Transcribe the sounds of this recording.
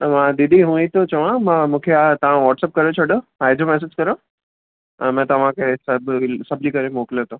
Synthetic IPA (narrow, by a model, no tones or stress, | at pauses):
mãd̪ɪd̪ʱiɦũit̪ot͡ɕɐʋãmãːmũːkʰeat̪ɐʋ̤ãʋɔːʈsɛːp̚kɐɾet͡ɕʰɐɽoaːed͡ʑomɛːs̬ed͡ʑkɐɾo | ɛ̃ːmɛ̃ːt̪ɐʋ̤ãkʰesɐbsɐblikɐɾemoːkɪlot̪ʰõ